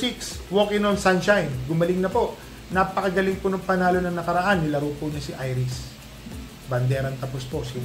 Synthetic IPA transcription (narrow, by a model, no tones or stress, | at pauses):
sikswokɪnonsanʃajnɡʊmɐlɪŋnɐpo̞ʔ | napɐkɐɡɐlɪŋpʊnɐŋpɐnaːlo̞nɐŋnɐkɐɾɐʔanːɪlɐɾuːpʊɲɐsɪʔajɾɪs | bɐnd̪ɛːɾɐnt̪ɐposposi